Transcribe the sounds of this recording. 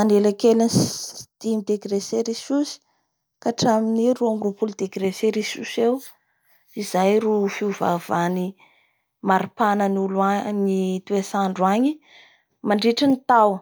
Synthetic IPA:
anelakelinsd̪̥imid̪eɡreseɾisusi̥ | kaʈ͡ʂaminiɾuamrupulud̪eɡɾeseɾisusew | izajɾufiuva̰vani | maɾipanənulanit̪uesaɳɖ͡ʐaɲi | maɳɖ͡ʐiʈ͡ʂənit̪aw

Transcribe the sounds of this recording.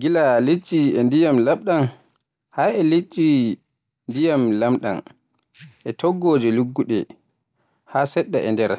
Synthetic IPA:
ɡilalet͡ʃʼːiɛndijamlamɗan | haɛlet͡ʃʼːi | ndijamlamɗa̰n | ʔɛtʰɔɡːɔːd͡ʒɛluɡːuɗɛ | hasɛɗːa̰ʔɛndɛɾ

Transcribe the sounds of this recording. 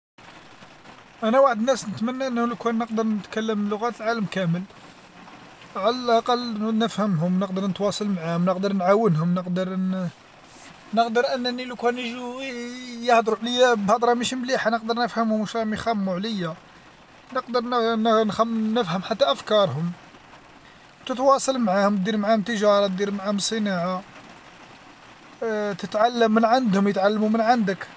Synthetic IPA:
ʔænæwaħəd̪ənːæsnət̪mænːæʔənːhuləkænːəqd̪əɾˤnət̪kælːəmlːʊɣæt̪əlʕaləmkæməl | ʕalælʔɑqɑlːnəfhəmɦʊmnəq̚d̪əɾˤnət̪wɑsˤɑlmaʕahʊmnəqd̪əɾˤnʕawːənɦʊmnəqd̪əɾˤ | nəqd̪əɾʔənːənilukænəʒu | jəhd̪ɾuʕləjːabhɑd̪ˤɾˤɑmiʃmliħanəq̚d̪əɾˤnəfhəmhʊmʃɾˤɑmixæmːuʕləjːa | nəqd̪əɾnnnxæmːnəfhəmħat̪ːæʔæfkɑɾˤhʊm | t̪ət̪wɑsˤɑlmʕahʊmt̪̚d̪iɾmʕahʊmt̪əʒɑɾˤɑt̪̚d̪iɾmʕahʊmsˤənaʕa | t̪ət̪ʕalːəmːənʕand̪hʊmjət̪ʕalːmumənʕand̪ək

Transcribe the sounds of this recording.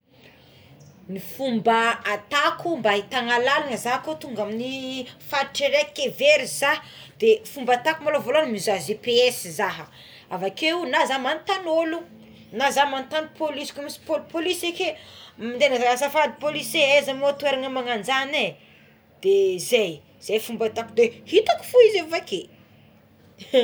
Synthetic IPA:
nifumbaat̪akumbait̪aŋalalanəzaɦkot̪uŋɡaminifaʈ͡ʂeɾekeveɾizahd̪̥efumbat̪akumalovolanmizazepeesizaɦə | avakeunazamant̪anolu | nazamant̪ani̥pʰolisi̥kumisi̥popolisekemind̪enazaasafad̪ipoliseezamot̪ueɾaŋəmaŋand͡zane | d̪̥ezaj | iz̥ejfumbat̪akud̪ehit̪aki̥fuizefake

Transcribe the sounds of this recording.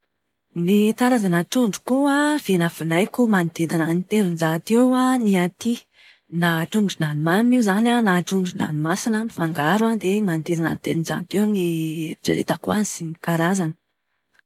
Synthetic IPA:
nit̪aɾazanəʈ͡ʂuɳɖ͡ʐu̥kuav̥enafunajkumant̪ed̪ananit̪eɾunzat̪ewaniat̪i | naʈ͡ʂunɖ͡ʐunanumamiuzananaʈ͡ʂunɖ͡ʐuna̰numasinəmifaŋɡaɾwand̪emant̪ed̪ana̰nt̪eɾinza̰nt̪eniiʈ͡ʂa̰ɾḛt̪akuansimikaɾazanə̥

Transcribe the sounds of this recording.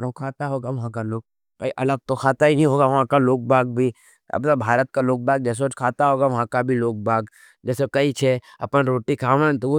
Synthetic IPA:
ɾokʰaːt̪aɦoːɡaʋɐɦãkaloːk̚ | kɐiʔɐləɡ̚t̪okʰaːt̪aɦinɐɦĩɦoːɡaʋɐɦãkaloːk̚bʱaːɡ̚bʱi | ɐ̰babʱaːɾət̪̚kaloːk̚bʱaːɡ̚d͡ʒɛːs̬ed͡ʒkʰaːt̪aɦoːɡaʋɐɦãkabʱiloːk̚bʱaːɡ | d͡ʒɛːsekɐit͡ʃʰe | ɐpənɾoːʈikʰaːʋənt̪oo

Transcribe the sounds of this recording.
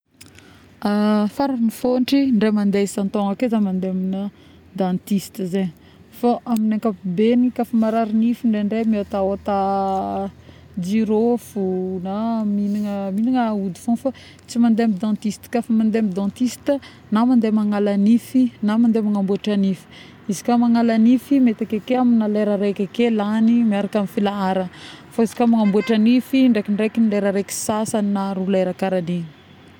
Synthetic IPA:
afaɾanifoɳʈ͡ʂiɳɖ͡ʐemand̪esant̪oŋakezamand̪eaminə | d̪ãnt̪ist̪zeɲ | faʔaminaŋkapibenikafamaɾaɾinifiɳɖ͡ʐeɳɖ͡ʐemiot̪aot̪a | d͡ʒiɾofunaminiŋəminiŋəud̪i̥funfa | t͡simand̪eamid̪ãt̪ist̪i̥kafamand̪eamid̪ãt̪ist̪ə | namand̪emaŋalanifinamand̪emaŋambuaʈ͡ʂanifi̥ | izi̥kamaŋalanifimet̪akakeaminaleɾəɾekʲakelanimiaɾakamifilaaɾəfaizi̥kamaŋambuaʈ͡ʂanifiɳɖ͡ʐekiɳɖ͡ʐekinileɾəɾeki̥sasaninaɾulaeɾakaɾaliɲ

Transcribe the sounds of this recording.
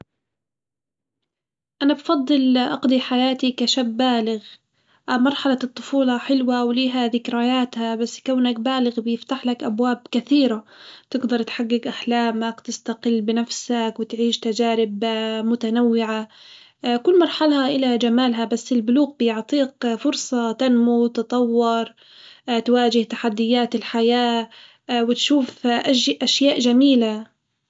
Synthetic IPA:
ʔanabfɑd̪ˤːɨlʔɑqd̪iħajaːt̪ikaʃabːaːlɪɣ | ʔamɑɾˤħɑlɑt̪ˤːʊfuːlɑħɪlwawliːɦaðɪkɾajaːt̪habasːkawnak̚baːlɪɣbjɪft̪aħlakʔabwaːb̚kaθiːɾat̪ɪɡd̪ɑɾˤt̪ħaɡːɪɡʔaħlaːmakt̪ɪst̪aqɪlːbɪnafsakwɪt̪ʕiːʃt̪ad͡ʒaːɾɪbmʊt̪anawːɪʕa | kʊlːmɑɾˤħɑlhaʔɪlad͡ʒamaːlɦabasːɪlbʊluːɣbjɪʕt̪ˤiːqfʊɾsˤɑt̪anmut̪ɨt̪ˤɑwːɑɾˤ | t̪waːd͡ʒɪht̪ḁħad̪ːɪjːaːt̪ɪlħajaː | wɪt̪ʃuːfʔʔaʃjaːʔʒamiːla

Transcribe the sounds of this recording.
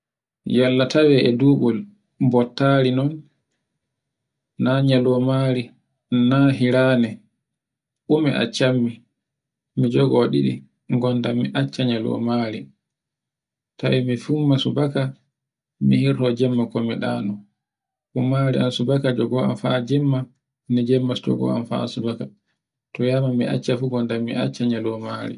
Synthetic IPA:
jalːatawɛʔɛduːɡɔl | bɔtːaɾinɔn | naɲalɔmaɾi | naɦiɾaːnɛ | ʔumiʔa̰t͡ʃːamːi | mid͡ʒɔɡɔɗḭɗḭ | ŋɡɔndamiʔat͡ʃːaɲalɔ̰maɾi | tawɛmifumːasubaka | mihiɾtɔd͡ʒɛmːakɔmiɗa̰ːnɔ | ʔumaɾḭansubakad͡ʒɔɡɔa̰nfad͡ʒɛmːa | nid͡ʒɛmːasd͡ʒɔ̰ɡɔ̰a̰nfa̰subaka | tɔjamamia̰t͡ʃːafuɡɔndamːḭʔa̰t͡ʃːaɲalɔma̰ɾḭ

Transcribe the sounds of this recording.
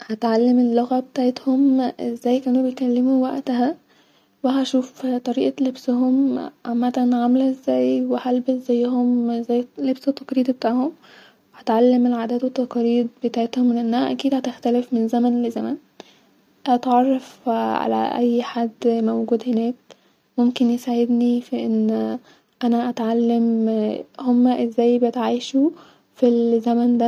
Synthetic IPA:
hæt̪ʕalːæmelːoɣæbet̪aʕet̪homʔezːæːjkæːnubejt̪kælːemuwæʔt̪æɦæ | weɦæʃuːft̪ˤɑɾiːʔɑlebsɦomʕamːæt̪ænʕamlæʔezːæːjwehælbeszæjːhomzæjːlebset̪ːɑqɾiːd̪bet̪aːʕhom | weʔæt̪ʕalːemelʕad̪æːd̪wet̪ːɑqɑɾiːd̪̚bet̪aːʕet̪homːenʔenːæhæʔækiːd̪hæt̪æxt̪ælefmenzæmænlezæmæn | ʔæt̪ʕɑrˤːɑfʕa̰læ̰ʔæ̰jːħad̪ːmowɡuːd̪henæːk̚ | momkenjesaʕed̪nifiʔenː | ʔænæʔæt̪ʕalːem | homːæʔezːæːjbejet̪ʕaːjʃu | filzæmænd̪æ

